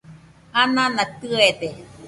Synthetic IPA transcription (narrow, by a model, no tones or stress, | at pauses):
anãnãt̪ɯed̪e